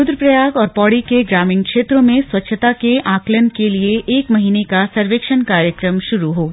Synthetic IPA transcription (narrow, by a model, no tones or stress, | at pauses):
ʊd̪ɾəpɾɐjaːɡɔːɾpɔːɽikeɡɾaːmɪ̃ŋɡkʃeːt̪ɾõmẽswɐtːʃʰət̪akeʔãːklənkelieʔeːkmɐɦiːnekasɐɾʋeːkʃənkaːɾjəkɾəmʃʊɾuɦoː